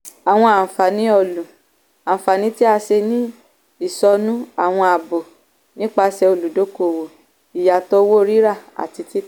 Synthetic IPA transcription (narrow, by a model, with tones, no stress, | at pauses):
a˨w̃ɔ̃˧a˨fa˨nĩ˦ɔ˦˧˨lũ˨ | ã˨fa˨nĩ˨˦ti˦a˧ʃe˧nĩ˦ | i˦˨sɔ˧nũ˦a˨w̃ɔ̃˧a˨bo˨ | nĩ˦k͡pa˧sɛ˧o˧˨lu˨do˨˦ko˧˨wo˨ | i˨ja˨tɔ˦wo˦˧ɾi˦ɾa˦˨a̰˨ti˧ti˦